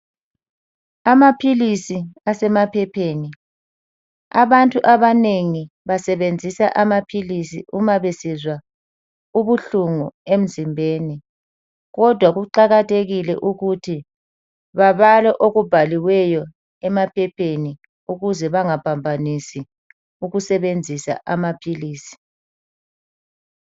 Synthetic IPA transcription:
amapʰilisiasɛmapʰɛpʰeːni | a̰βantʼuʔaβaneŋi | βasɛβend͡zʱisaʔamapʰilisḭʔumaβesizwa | uβuɬuŋuem̩zimbʱeːni | ɣɔd̥ʱwaɣuǃaɣatʰeɣilɛʔuɣutʰi | βaβalɔʔoɣub̥ʱaliwɛjɔ | ɛmapʰɛpʰeni | uɣuzɛβaŋapʰambʱanisi | uɣusɛβend͡zʱisa̰ʔamapʰiliːsi̥

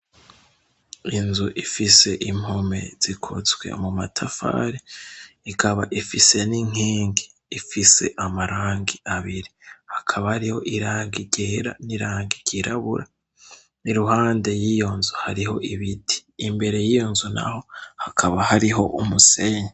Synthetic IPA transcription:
inzuʔifise̞ʔim̥home̞̰z̥ikʰozɡwe̞̰mumatʰafa̰ɾiikʰaβaʔifise̞niŋ̥iːŋɡi̥ifise̞̰ʔamaɾaːŋɡiaβiɾihakʰaβahaɾiho̞̰ʔiɾaːŋɡiɟeːɾa̰niɾaːŋɡiɟiɾaβuɾa | niɾuhaːnde̞jijonzuhaɾiho̞ʔiβidi̥ːmbe̞ɾe̞jijonzuna̰ho̞hakʰaβahaɾiɦo̞ʔumuse̞ɲa

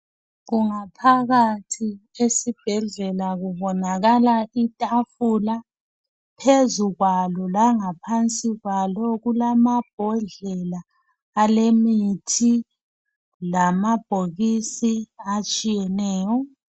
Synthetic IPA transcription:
ɣuŋapʰaɣatʰiesib̥ʱɛɮɛlaɣuβɔnaɣalaʔitʼafula | pʰezuɣwalɔlaŋapʰant͡sʼiɣwalɔɣulamab̥ʱɔɮɛlaː | lemitʰi | lamab̥ʱoɣisiat͡ʃʼijɛnɛːjɔ

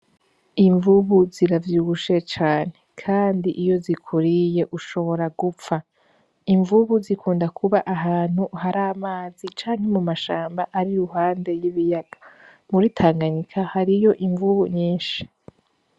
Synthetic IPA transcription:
iɱvuβuziɾavjuɡuʃe̞t͡ʃaːne̞kʰaːndiʔijo̞zikʰuɾije̞ʔuʃo̞βo̞ɾaɡup͡fa | iɱvuβuzikʰuːndakʰuβaʔaɦaːn̥huhaɾaːmaːzit͡ʃaːŋ̥he̞mumaʃaːmbaʔaɾiɾuɦaːnde̞jiβijaɡ̥ḁ | muɾitʰaːŋɡaɲikʰahaɾijo̞ʔiɱvuβuɲiːnʃi̥

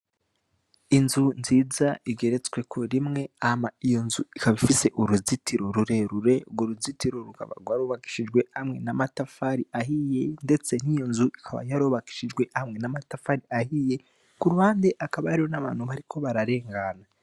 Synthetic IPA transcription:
inzunziːzaiɡe̞ɾe̞t͡swe̞kʰoɾimŋe̞ahamaijo̞nzuikaβifise̞ʔuɾuzitiɾo̞ɾuɾe̞ɾuɾe̞ɡoɾuzitiɾo̞ɾuka̰βa̰ɡwaɾoːβaki̥ʃid͡ʒɡwe̞hamŋe̞namatafaɾiʔaɦije̞nde̞t͡se̞n̥ijo̞nzuikʰaβa̰jaɾoβaki̥ʃid͡ʒɡwe̞hamŋe̞namatafaɾiahije̞ | kuɾuβaːndeʔakaβaaɾiɾonaβaːnhuβaɾikʰo̞βaɾaɾe̞ːŋɡana

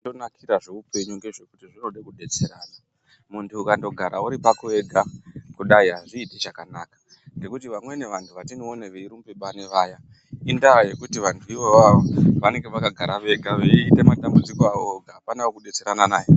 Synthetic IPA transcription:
do̞nakʰiɾaʐe̞upe̞ɲuŋɡe̞ʐo̞kutiʐino̞ɗekuɗe̞t͡se̞ɾaːna | muntʰuːkando̞ɡʱaɾauɾipakue̞ɡʱakuɗaiɦaʐiːtiʐakanaːkḁ | ŋɡe̞kutiʋamwe̞ne̞ʋantʰuʋatinooneʋeiɾumpeɓane̞ʋaːja | indaaje̞kutiʋantʰuiʋoʋaʋoʋane̞ŋɡe̞ʋakaɡʱaɾaʋe̞ɡʱaʋeiːte̞matambud͡zikoaʋoɡʱaːpanaokuɗe̞t͡se̞ɾananaːje

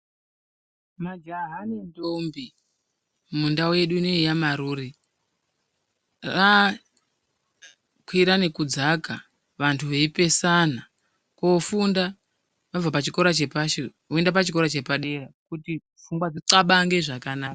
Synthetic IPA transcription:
mad͡ʒaɦanendombi | mundaowe̞ɗuneijamaɾuːri | ra | kʰwiɾane̞kud͡zaka | ʋantʰuʋe̞ipe̞sana | kofunda | ʋavapat͡ʃiko̞ɾat͡ʃe̞paʃe | oendapat͡ʃiko̞ɾat͡ʃe̞paɗe̞rakuti | fuŋɡwad͡ziǀaɓaŋɡe̞ʐakanaːka

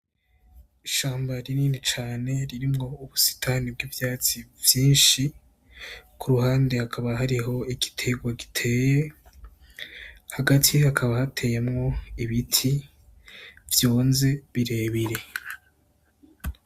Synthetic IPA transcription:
iʃaːmbaɾiniːnit͡ʃaːne̞ɾiɾimŋo̞uβusi̥tʰanib̚ɡwiːvjaːt͡sivjiːnʃi | kʰuɾuɦaːnde̞hakʰaβahaɾiɦo̞iɡi̥tʰeɡwaɡitʰe̞ːje̞ | haɡatʰihakʰaβahatʰe̞ːjemŋo̞iβitʰi | vjoːnze̞βiɾe̞ːβiɾe̞

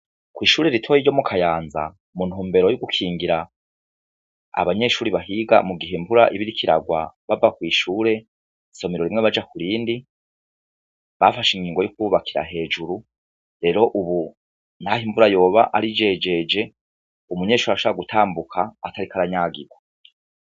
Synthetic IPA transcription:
kwiːʃuːɾe̞ɾitʰojiɟo̞mukʰajaːnza̰ | munhuːmbe̞ɾojuɡukʰiːŋɡiɾa | a̰βaɲe̞ʃuːɾiβaɦiɡa̰muɡiɦembuɾa̰ʔiβiɾikʰiɾa̰ɡwa̰βavakwiːʃuːɾe̞ | so̞miɾo̞ɾimŋe̞βad͡ʒakuɾiːndi | βafaʃiŋɡiːŋɡo̞jukuuβakʰiɾa̰ɦe̞ːd͡ʒuɾu | ɾe̞ɾo̞ʔuβu | n̥hahiɱvuɾajo̞ːβaʔaɾid͡ʒe̞d͡ʒe̞d͡ʒe̞ | umuɲe̞ʃuːɾaʃoβɾaɡutʰaːmbukʰaːtaɾikaɾaɲaːɡiɡwa

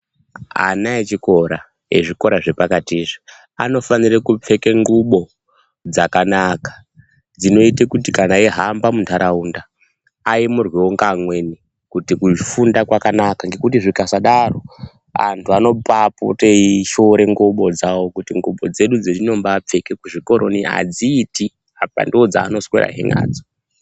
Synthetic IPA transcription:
a̰naet͡ʃiko̞ɾa | ḛʐiko̞ɾaʐe̞pakatiːʐi | a̰no̞fanirakup͡fe̞keŋɡuɓo̞ | d͡zakanakḁ | d͡zino̞itekutikanaiɦambamuntʰaɾaundaː | imurwiwoŋɡamwe̞ni | kutikufundakwakanakaŋɡe̞kutiʐikasaɗaro̞ | a̰ntʰuano̞papṵteiʃoɾe̞ŋɡuɓo̞d͡zawo̞kutiŋɡuɓo̞d͡ze̞ɗud͡zetino̞mbap͡fe̞ke̞kuʐiko̞ɾʔo̞̰nia̰d͡ziːti | apa̰ndiwod͡za̰ːno̞sweɾa̰ɦḛŋɡa̰ːd͡zo

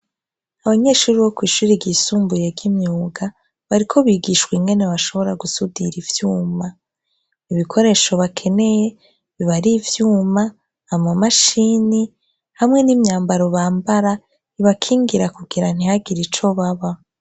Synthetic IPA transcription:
aβaɲe̞ːʃuːɾiβo̞kwiːʃuːɾiɡisuːmbuje̞ɡɡimɲuːɡa | βaɾikʰo̞βiːɡiʃkwiŋɡe̞ne̞βaʃo̞βo̞ɾaɡusudiɾivjuːma | iβikʰo̞ɾe̞ːʃo̞βakʰe̞ne̞je̞ | βiβaɾivjuːmaː | mamaʃini | hamŋe̞nimɲaːmbaɾo̞βaːmbaɾa | iβakʰiːŋɡiɾakuɡiɾan̥ihaɡiɾit͡ʃo̞βaβa

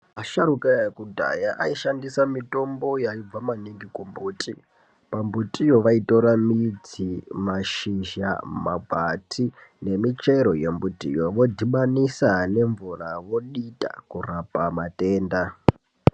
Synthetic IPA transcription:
aʃaɾukajakudʱa̰jaʔaiʃandisamito̞mbo̞jaib͡vamaniŋɡikumbuːtʼi | pambutʼijo̞ʋaito̞ɾamid͡zimaʃiʒa̰mabʱatʰine̞mit͡ʃeiɾo̞jembutʼḭjo̞ʋo̞dʱiɓanisane̞ɱvuraʋo̞ɗita̰kurapamate̞ːnda

